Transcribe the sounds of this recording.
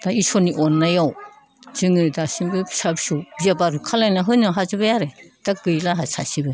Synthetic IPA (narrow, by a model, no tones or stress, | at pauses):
d̥aisɔniʔɔnːajaw | z̥ɯŋɯdasiŋbɯbsabsɯwbiabaɾɯkʰalajnaɦɯnɯɦazɯbajaɾed̥aɡɯjlaɦasa̰sibɯ